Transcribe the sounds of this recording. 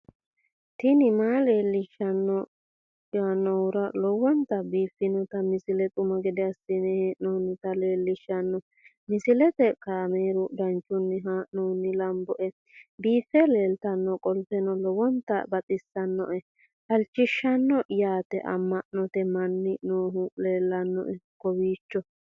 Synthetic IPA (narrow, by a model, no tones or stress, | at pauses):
t̪ɪnɪmaːle̞ːlːɪʃːɐnːɔ | jaːnɔwʊɾɐlɔwɔnt̪ɐbiːfːɪnɔt̪ɐmɪsɪlɛt̪ʼʊmɐɡɛd̪ɛɐsːɪnɛnoːnːɪt̪ɐle̞ːlːɪʃːɐnːɔ | mɪsɪlɛt̪ɛkɐameːɾʊd̪ɐnt͡ʃʼːʊnːɪɦanoːnːɪlɐmbɔʔɛ | biːfːɛle̞ːlt̪ɐnːɔkʼɔlpɛnɔlɔwɔnt̪ːɐ̰bɐt̪ʼɪsːɐnːɔ̰ʔɛ | ʔɐlt͡ʃːɪʃːɐnːɔjaːt̪ɛʔɐ̰mːɐʔnɔt̪ɛmɐnːɪnoːɦʊle̞ːlːɐnːɔ̰ʔɛkɔwiːt͡ʃːɔ